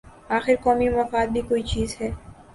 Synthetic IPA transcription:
aːxɪɾkɔːmimɐfaːd̪̚bʱikoːit͡ʃiːzɦɛː

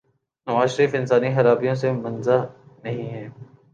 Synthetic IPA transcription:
nɐʋaːzʃəɾiːfɪnsaːnixɐɾaːbijõs̬emɐnzanɐɦĩɦɛː

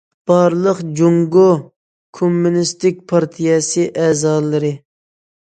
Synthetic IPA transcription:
b̥ɑɾlˠəqd͡ʒoŋɡo | kʰomːunɪst̪ɪk̚ʲpʰɑɾt̪ʰijɛsɨʔɛːzɑlˠɨɾɨ

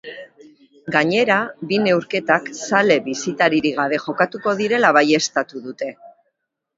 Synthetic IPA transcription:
ɡaɲe̞ɾaβine̞wɾke̞t̪aksale̞βisit̪aɾiɾiɣ̞aβ̞e̞ʝo̞kat̪uko̞ðiɾe̞laβ̞aje̞st̪at̪uðut̪e̞

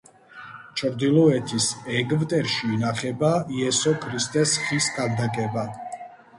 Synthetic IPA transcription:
t͡ʃʰɾd̪ilˠɔɛt̪ʰisɛɡvt̪ʼɛɾʃiːnaχɛbaiɛsɔkʰɾist̪ʼɛsχiskʰʼald̪akʼɛba

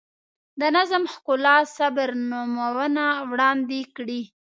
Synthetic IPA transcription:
d̪ənazamhkʊlɑsabəɾnumawənawɽɑnd̪ekɽi

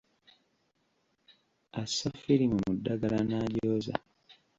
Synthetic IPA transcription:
asːafiɾimumudːaɡalanaːɟoːza̰

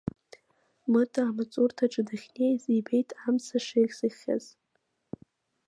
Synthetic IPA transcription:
mɨtʰaːmat͡sʼurtʰaʈ͡ʂʼɨdɨχʲnejzibe̞jtʼʰamsaʂejχʲsɨχʲa̰z̥

